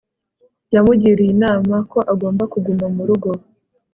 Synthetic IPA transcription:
jamuɟiɾijinaːmako̞ʔaɡo̞ːmbakuɡumamuɾuɡo̞ɾo

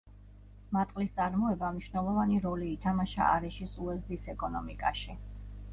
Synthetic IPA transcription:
mat̪ʼqʼlist̪sʼaɾmɔɛbamniʃvnɛlˠɔvaniɾɔliːt̪ʰamaʃa̰ʔːɾɛʃisuɛzd̪isɛkʼɔnɔmikʼaʃi

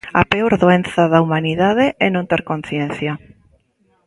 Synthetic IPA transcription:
a̰peoɾðoen̟θaðaumaniðað̞eʔɛnõnt̪ɛɾkon̟θjenθja

